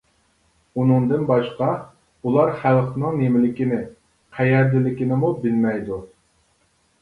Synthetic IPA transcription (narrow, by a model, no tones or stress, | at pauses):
unɨŋd̪ɨnbɑʃqɑ | ulˠɑɾχælˠqnɨŋnemɪlɪkʲɪnɪ | qʰæjɛɾd̪ɪlɪkʲinɪmubɪlmɛjd̪u